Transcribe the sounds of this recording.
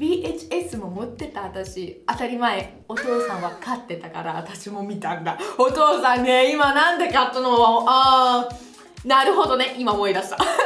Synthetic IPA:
bʲiːʔet͡ɕi̥e̞sɨmo̞mot̪ːe̞t̪aːt̪aɕiat̪aɾʲimae̞ | o̞t̪o̞ːsãɰ̃βakat̪ːe̞t̪akaɾaːt̪aɕimo̞mʲit̪ãnd̪ao̞t̪o̞ːsãnːeimanãnd̪ekat̪ːonoβaoa | naɾɯ̟ɦo̞d̪o̞ne̞ʔimamo̞id̪aɕi̥t̪a

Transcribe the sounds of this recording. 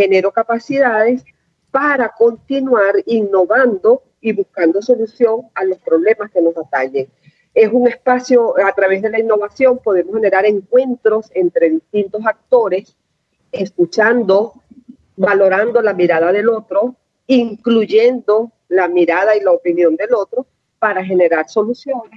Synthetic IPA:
he̞ne̞ɾo̞kapasiðaðe̞s | paɾako̞nt̪inwaɾinːo̞βand̪o̞ | iβuskand̪o̞so̞lusjo̞ŋalo̞spɾo̞βle̞maske̞no̞sat̪aɲeŋ | e̞suŋespasjo̞at̪ɾaβe̞zðe̞lainːo̞βasjo̞mpo̞ð̞e̞mohene̞ɾaɾe̞ŋkwe̞nt̪ɾo̞se̞nt̪ɾe̞ðist̪int̪o̞sak̚t̪o̞ɾe̞s | eskut͡ʃand̪o̞ | balo̞ɾand̪o̞lamiɾað̞aðe̞lo̞t̪ɾo̞ | iŋkluʝe̞nd̪o̞ | lamiɾað̞ailaopinjo̞nd̪e̞lo̞t̪ɾo̞ | paɾaxe̞ne̞ɾaɾso̞lusjo̞nes

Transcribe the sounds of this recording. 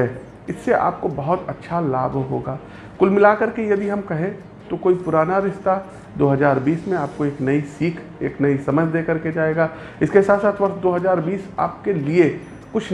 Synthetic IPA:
ɛː | ɪsːeʔa̰ːp̚kobɐɦʊt̪ɐtːʃʰalaːbʱɦo̰ːɡaː | kʊlmɪlakɐɾkejɐd̪iɦɐmkɐɦẽ | t̪okoːipʊɾaːnaɾɪʃt̪a | d̪oːɦɐzaːɾbiːsmẽaːp̚koeːknɐisiːkʰ | ḛːknɐisɐməd͡ʒʱd̪eːkɐɾked͡ʒaːeːɡaː | ɪskesaːt̪saːt̪ʰʋɐɾsd̪oːɦɐzaːɾbiːsa̰ːp̚kelie | kʊt͡ʃʰ

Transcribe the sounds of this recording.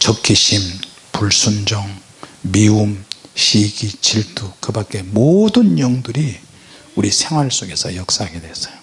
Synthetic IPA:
t͡ɕʌkʰiɕʰim | puɭs͈ʰund͡ʑʌŋ | miumɕʰiɡit͡ɕiɭtʰukɯbak͈e̞modɯnjʌŋdɯɾi | uɾisʰe̞ŋɦwaɭs͈oɡe̞sʰʌ̰jʌk̚s͈aaɡedwesʌ̥jo

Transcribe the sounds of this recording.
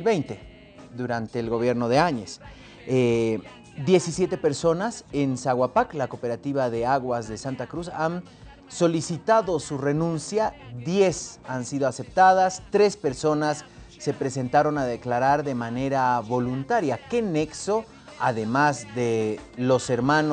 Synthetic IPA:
lβejnt̪e̞ | ðuɾant̪e̞ːlɣo̞βje̞ɾno̞ðe̞aɲe̞s | e | d̪je̞sisje̞t̪e̞pe̞ɾso̞nasensaɣwapaklakope̞ɾat̪iβaðe̞aɣwazðe̞sant̪akɾusan | so̞lisit̪aðo̞sure̞nũnsjaðje̞sansiðoase̞p̚t̪að̞ast̪ɾe̞spe̞ɾso̞nasː | e̞pɾe̞se̞nt̪aɾo̞naðe̞klaɾaɾðe̞mane̞ɾaβo̞lunt̪aɾjake̞ne̞kso̞ | aðe̞mazðe̞lo̞se̞ɾmãn

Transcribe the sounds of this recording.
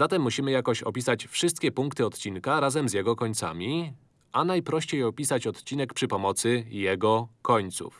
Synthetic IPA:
z̥at̪ɛmːuɕimɘjakɔɕɔ̰pʲisat͡ɕfʂɘst̪̚kʲɛpuŋkt̪ɘɔt̪t͡ɕinkaɾazɛmzʲjɛɡɔkɔɲt̪sa̰mʲi | ʔanajpɾɔɕt͡ɕejɔpʲisat͡ɕɔt̪t͡ɕinɛkpʂɘpɔmɔt̪sɘjɛɡɔkɔɲt̪sṵf

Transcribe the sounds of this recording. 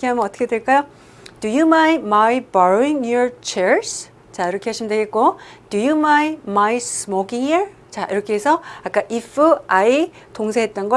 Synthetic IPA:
kʰeɦamjʌnʌt͈ʌkʰedweɭk͈ajo | dujumajnmajbʌɾoiŋjoɹt͡ɕʰeɹs | t͡ɕaiɾʌkʰe̞ɦaɕʰimndweɡe̞t̚k̚k͈od̥ujumajnmajsɯmokiŋiɾ | t͡ɕaiɾʌkʰeesʰʌak͈aʔipʰuai | toŋsʰeɦet̚t͈ʌnɡʌ

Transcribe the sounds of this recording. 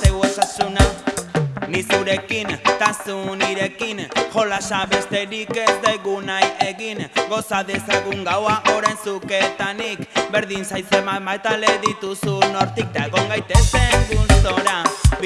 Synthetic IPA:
seuosasuna | nisuɾe̞kint̪asuniɾe̞kinʝo̞lasaβe̞st̪e̞ɾike̞zd̪eɣunajeɣiŋɡo̞saðe̞saɣuŋɡawaʔo̞ɾensuke̞t̪anikbe̞ɾðinsajsemamajt̪ale̞ðit̪usuno̞ɾt̪ik̚t̪aeɣo̞ŋɡajt̪e̞se̞ŋɡulst̪oɾa

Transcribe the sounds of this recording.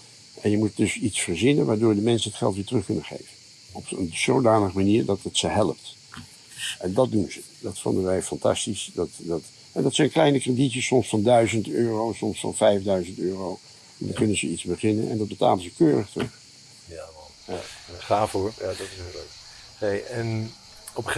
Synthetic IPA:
ʔɛnjəmut̚dɵsitsfəɹzɪnənʋaːɹdʊːɹdəmɛnsənɦətχɛ̰lˠtʋɪːtrɵχkɵnənχḛjvən | ɔpə̰nz̥owdaːnəχəmaniːɹdɑtətsəɦɛləp̚t | ɛndɑt̚dunzə | dɑtfɔ̰ndənʋɛjfɑntɑ̰stisdɑtdɑt | ɦɛdɑtsɛjnklɛjnəkreditəsɔmsfɑndœɥzəntøːrowsɔmsfɑ̰nvɛjvdœɥzəntøːrow | ɛndɑ̰ŋkɵnənzəitzbəχɪnə̰nɛ̰ndɑd̚bəta̰ːlənzəkøːrəχtrəχ | jaχaːfʊɹjaːdɑtɪsləɥk | nejɛn | ɔp

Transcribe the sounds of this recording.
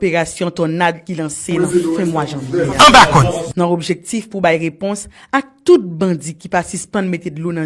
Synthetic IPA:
peʁasjɔ̃t̪ɔnad̪̚kilɐ̃senɐ̃fɛ̃mwaʒãvɛɐ̃bakɔ̃tnãobʒek̚tifpubajʁepɔ̃sak̚t̪ut̪̚bɐ̃d͡zikipasyspʌ̃nmet̪edlonɐ̃

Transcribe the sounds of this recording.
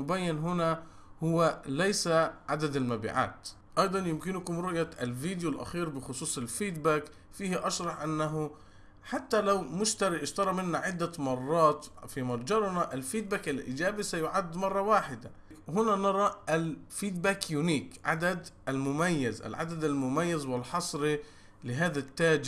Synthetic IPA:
ʊbajːɪnɦʊna | hʊwːalajsaʕad̪ad̪almabḭʕa̰ːt̪ | ʔɑjd̪ˤɑnjɪmkɪnkʊmɾʊʔjaɪlviːd̪julʔa̰xiːɾbɪxʊsˤuːsˤalfiːd̪baːk | fiːhʔɑʃɾˤɑħʔanːaɦʊ | ħat̪ːalawmʊʃt̪aɾiʔɪʃt̪ɑɾˤɑmɪnːaʕɪd̪ːamɑrˤːɑːt̪fimɑɾˤd͡ʒɑɾˤnaʔɪlfiːd̪̚baːkalʔɪ̰d͡ʒaːbisajʊʕad̪ːmɑrˤːɑwaːħɪd̪a | kɦʊnanɑɾˤɑʔalfiːd̪̚baːkjuniːkʕa̰d̪ad̪ʔalmʊmajːɪzʔa̰lʕa̰d̪ad̪almʊmajːazwɪlħɑsˤɾi | lɪɦaːðat̪ːaːd͡ʒɪ

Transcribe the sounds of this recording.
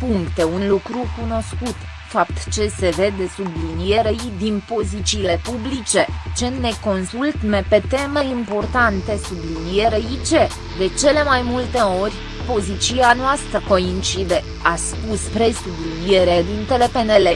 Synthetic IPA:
puŋkt̪e̞unlukɾukuno̞skut̪ | fapt̪t͡ʃe̞se̞ve̞d̪e̞sublinije̞ɾejd̪inpo̞zit͡ʃile̞publit͡ʃe̞t͡ʃe̞ne̞ko̞nsult̪me̞pe̞t̪e̞me̞impo̞rt̪ant̪e̞sublinije̞ɾeit͡ʃe̞ | d̪e̞t͡ʃe̞le̞majmult̪e̞o̞rʲ | po̞zit͡ʃianoast̪ɾəko̞int͡ʃid̪e̞ | aspuspɾe̞sublinije̞ɾed̪int̪e̞le̞pe̞ne̞le

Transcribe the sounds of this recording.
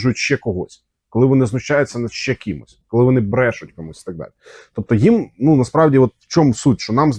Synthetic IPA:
ʒʊjʊtʲʃt͡ʃɛkɔɦɔsʲ | kɔlˠɪʋɔnɪznʊʃt͡ʃajʊt͡sʲːɐnɐ̥ʃt͡ʃɛkʲimʊ̰sʲkɔlˠɪʋɔnɪbɾɛʃʊtʲkɔmusʲi̥t̪ɐɡ̚d̪ɑ̰lʲɪt̪ɔp̚t̪ɔjimnunɐspɾɑwdʲiɔt̪wt͡ʃɔmʊsutʲʃt͡ʃɔnɑmz

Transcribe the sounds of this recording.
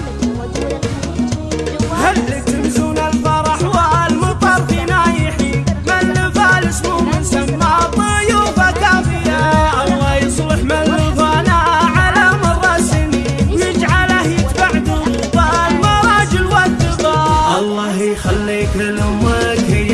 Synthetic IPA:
halːit̪ɪmzuːnalfɑɾˤɑħwalmʊt̪ˤɑb̪inajɪħiːnmalːɪbaːlɪsmumɪnsamːat̪ˤʊjuːfakaːfɪjaʔɑlːɑːhjɨsˤlɪħmalːɪbanaʕalamɑɾˤɑːsɪn | wjɪd͡ʒʕalahjɪt̪baʕd̪u | balmɑɾˤɑːd͡ʒɪlwat̪ɪbaʔɑlˤːɑːhjxalːiːkalʔʊmːak

